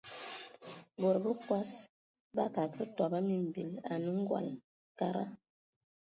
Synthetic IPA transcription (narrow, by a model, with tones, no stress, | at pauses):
bo˨ɾbə˦kwa˦s | ba˦ka˨kə˦tɔ˨ba˦mi˨m˨bi˨la̰˨nə˦ŋ̩˦ɡwa̰˨l | ka˦ɾa̰˦